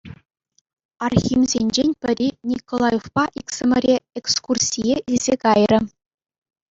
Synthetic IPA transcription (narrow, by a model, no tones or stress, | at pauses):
ɑrxʲimzʲenʲd͡ʑenʲpʲɘ̆ɾʲinʲikolˠɑjofpɑʔiksɘ̆mʲɘ̆ɾʲeekskursʲijeʔilʲzʲekɑjrʲɘ̆